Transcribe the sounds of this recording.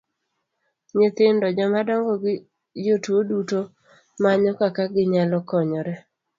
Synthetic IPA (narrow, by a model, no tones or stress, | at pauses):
ɲɪt̪ɪndɔd͡ʒɔmadɔŋɡɔɡɪ | d͡ʒotuoduto | maɲɔkakaɡɪɲalɔkɔɲɔɾɛ